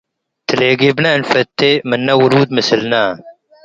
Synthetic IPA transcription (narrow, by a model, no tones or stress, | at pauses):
t̪ʰəleːɡibnanfɐt̪ːemɐnːɐwuɾuːd̪mɪsilna